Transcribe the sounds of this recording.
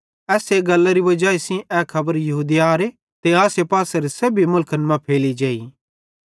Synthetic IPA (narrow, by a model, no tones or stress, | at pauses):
ɛːseɡɐlːaɾibɐd͡ʒaːesĩʔɛːkʰɐbəɾjɐɦuːd̪iaːɾe | t̪eaːsepaːsaɾesɐbʱimʊlkʰənmãpʰeːlid͡ʒeːi